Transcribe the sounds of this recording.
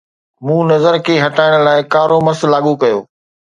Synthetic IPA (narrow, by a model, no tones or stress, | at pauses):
mũːnɐzəɾkʰeːɦɐʈaːɪɽ̃ʊ̆laːɪkaːɾomɐɾslaːɠukɐjo̰ː